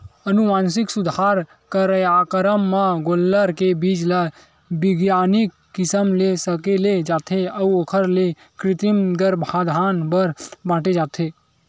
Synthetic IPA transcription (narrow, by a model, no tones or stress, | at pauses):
ənuʋaːnsiksud̪ʱaɾ | kəɾəjakɾəmːaɡolːəɾkebid͡ʒla | biɡjanikːɪsəmlesəkeled͡ʒaːt̪ʰeəuokʰəɾle | kɾɪt̪imɡ̪əɾbʱad̪ʱaːnbəɾbãːʈed͡ʒaːt̪ʰe